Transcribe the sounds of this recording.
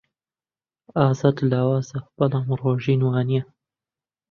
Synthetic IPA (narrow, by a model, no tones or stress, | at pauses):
aːzad̪laːwaːzɐb̥ɐlaːmroːʒiːnwaːnijɐ